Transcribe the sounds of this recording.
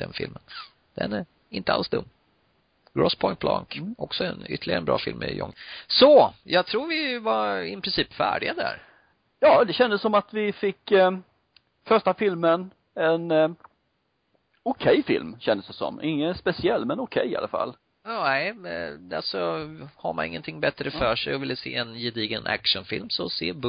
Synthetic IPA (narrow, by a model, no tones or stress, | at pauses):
d̪̥ɛnfɪlmən | d̪̥ɛnæɾ | ɪnt̪əa̰lsd̪ɵmː | ɡ̥ɹɔspʰɔɪn̚bʰlɑ̰ŋkʔɔksɔɛnʏ̰t̪ːəlɪɡaɾənbɾɑ̰ːfɪlmɪjɔ̰ŋːsɔjɑːɡ̚t̪ʰɾuːɾvɪvaɾɪpʰɾɪnsiːpfæːɖɪɡad̪æ̰ɾ | jɑːd̪ɛɕɛnd̪əsːɔmat̪vɪfɪkː | fœʂʈafɪlmən | ɛn | ʊkʰɛjfɪ̰lmɕɛnd̪əsd̪ɛsɔ̰mːʔɪŋːənspɛsɪɛlːmɛnʊkʰɛjːɪa̰lafa̰lː | ɛɪalsɔhaɾmanɪ̰ŋːənt̪ʰɪŋːbɛt̪ɾəffœːʂɛjɔvɪlːəseːɛnjɪd̪iːɡənʔæ̰kʂənfɪlmsɔsḛːb